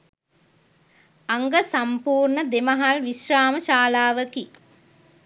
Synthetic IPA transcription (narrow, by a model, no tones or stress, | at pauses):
aŋɡəsampuːrɳəd̪eməɦalʋiʃɾaːməʃaːlaːʋəki